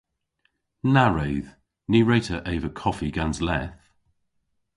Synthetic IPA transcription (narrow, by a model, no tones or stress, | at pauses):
naɹeɪð̥ | niːɹeɪtʰəɹʔeɪvəkʰɒfiɡãnzlɛθ